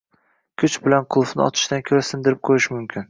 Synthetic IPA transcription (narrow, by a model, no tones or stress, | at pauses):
kʲʰʊt͡ʃbɪlanqʰʊlˠfnɪ̰ɒ̰t̪ʰɪ̥ʃt̪ankʲʰɵɾasɪnd̪ɪɾɪp̚qʰojɪʃmʊmkʲʰɪn